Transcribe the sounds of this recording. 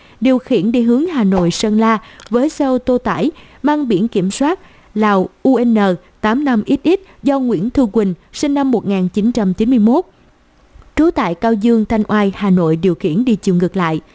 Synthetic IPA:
ɗi˨˩əwxḭ˧˩ənɗi˧˩ɦɨ˨˦əŋɦaː˨˩no̰˧˨jsə˧nlaː˧vəː˨˦jsə˧wt̪o˧t̪a̰ː˧˩j | maː˧ŋɓḭ˧˩ənki˧˩əmswaː˦˥t̚ | laː˨˩wʔu˧ʔɛ˧nːəː˨˩ | t̪aː˨˦mna˧mʔi˦˥t̚ʔi˦˥t̚zɔ˧ŋwḭ˧˥ənt̪ʰu˧kwï˨˩ŋ̟si˧ŋ̟na˧mːo˨˩t̚ŋaː˨˩nt͡ɕi˨˦nt͡ɕa˧mt͡ɕi˨˦nmɨ˧əjmo˦˥t̚ | t͡ɕo˨˦jt̪a̰ː˧˨jkaː˧wzɨ˧əŋt̪ʰa˧jŋ̟ʔwaː˧jhaː˨˩no̰˧˨jɗi˨˩əwxḭ˧˩ənɗi˧t͡ɕi˧˩əwŋɨ˨˩k̚la̰ː˧˨j

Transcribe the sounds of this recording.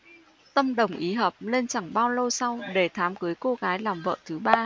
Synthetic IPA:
t̪ə˧mɗə˨˩wŋ͡mʔi˨˦ɦəː˨˩p̚le˧nt͡ɕa˧˩ŋɓaː˧wlə˧wsa˧wɗe˧˩t̪ʰaː˨˦mkɨ˨˦jko˧ɣaː˨˦jlaː˨˩mvə̰ː˧˨t̪ʰɨ˨˦ɓaː˧

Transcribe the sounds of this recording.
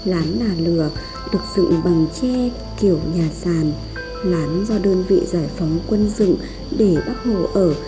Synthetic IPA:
laː˨˦nlaː˨˩lɨ˧˩ə | ɗɨ˨˩ək̚z̥ɨ̰˧˨ŋɓa˨˩ŋt͡ɕɛ˧ | ki˧˩əwɲaː˨˩saː˨˧˩n | laː˨˦nzɔː˧˩ɗəː˧nvḭ˧˨zaː˧˩jfa˨˦wŋ͡mkwə˧nzɨ̰˧˨ŋ | ɗe˧˩ɓa˦˥t̚ho˧˩ʔəː˧˩

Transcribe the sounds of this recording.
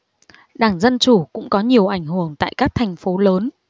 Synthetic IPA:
ɗaː˧˩ŋzə˧nt͡ɕu˧˩kʊ̰˧˥ŋ͡mkɔ˨˦ɲi˨˩əwʔa˧˩jŋ̟hɨ˨˩əŋt̪a̰ː˧˨jkaː˦˥k̚t̪ʰɛ˨˩jŋ̟fo˨˦ləː˨˦n

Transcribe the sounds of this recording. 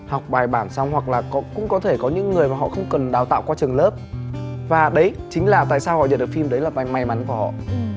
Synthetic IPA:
hɔ˨˩wk͡p̚ɓaː˨˩jɓaː˧˩nsa˧wŋ͡mhwa˨˩k̚laː˨˩kɔ˦kʊ̰˧˥ŋ͡mkɔ˨˦t̪ʰe˧˩kɔ˨˦ɲɨ̰˧˥ŋːɨ˨˩əjmaː˨˩hɔ̰˧˨xə˧wŋ͡mkə˨˩nɗaː˨˦wt̪a̰ː˧˨wkwaː˧t͡ɕɨ˨˩əŋləː˦˥p̚vaː˨˩ɗə˨˦j | t͡ɕï˨˦ŋ̟laː˨˩t̪a̰ː˧˨jsaː˧whɔ̰˧˨zə̰˧˨nɗɨ˨˩kfi˧mɗə˨˦jlaː˨˩ma˨˧ma˧jma˨˦nku˧˩əhɔ̰˧˨

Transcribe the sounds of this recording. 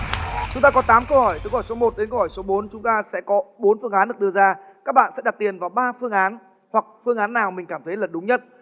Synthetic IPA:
t͡ɕʊ˨˦ŋ͡mt̪aː˧kɔ˨˦t̪aː˨˦mkə˧whɔ˧˩jt̪ːkːɔː˧˩so˨˦mo˨˩t̚ɗe˨˦nkə˧whɔ˧˩jso˨˦ɓo˨˦nt͡ɕʊ˨˦ŋ͡mt̪aː˧sɛ̰˧˥kɔ˨˦ɓo˨˦nfɨ˧əŋʔaː˨˦nɗɨ˨˩ək̚ɗɨ˧əzaː˧kaː˦˥k̚ɓa̰ː˧˨nsɛ̰˧˥ɗa˨˩t̚t̪i˨˩ənvaː˨˩wɓaː˧fɨ˧əŋʔaː˨˦n | hwa˨˩k̚fɨ˧əŋʔaː˨˦nːaː˨˩wmï˨˩ŋ̟kaː˧˩mt̪ʰə˨˦jlə˨˩ɗʊ˨˦ŋ͡mɲə˦˥t̚

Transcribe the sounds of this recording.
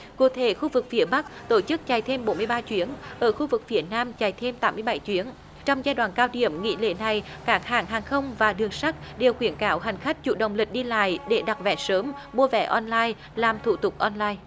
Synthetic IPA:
kṵ˨˧˩t̪ʰe˧˩˦xu˧vɨ˨˩k̚fi˨˩əɓa˦˥k̚t̪o˧˩t͡ɕɨ˦˥k̚t͡ɕa˨˩jt̪ʰe˧mɓo˨˦nmɨ˧əjɓaː˧t͡ɕwi˨˦ənʔəː˧˩xu˧vɨ˨˩k̚fi˨˩ət̚naː˧mt͡ɕa˨˩jt̪ʰe˧mt̪aː˨˦mːɨ˧əjɓa˧˩jt͡ɕwi˨˦ən | t͡ɕɔ˧wŋ͡mzaː˧jɗwaː˧˨nkaː˧wɗḭ˧˩əmŋḭ˧˥lḛ˧˥na˨˩j | kaː˦˥k̚haː˧˩ŋɦaː˨˩ŋxə˧wŋ͡mvaː˨˩ɗɨ˨˩əŋsa˦˥k̚ɗe˨˩wxwi˧˩ənkaː˨˦wɦa˨˩jŋ̟xa˦˥jk̟̚t͡ɕṵ˧˩ɗə̰˨˩wŋ͡mlï˨˩k̟̚ɗi˧la̰ː˧˨jɗe˧˩ɗa˨˩t̚vɛ̰˧˩˥səː˨˦mɓu˧əvɛ̰˧˥ʔɔ˧nlaː˧j | laː˨˩mt̪ʰṵ˧˩t̪ʊ˨˩k͡p̚ʔɔ˧nlaː˧j

